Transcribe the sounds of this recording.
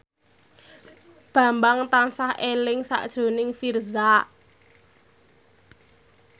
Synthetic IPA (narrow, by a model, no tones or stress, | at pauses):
b̥a̤mbaŋt̪ansahʔelɪŋsa̰ʔd̥ʒ̥o̤nɪŋfirza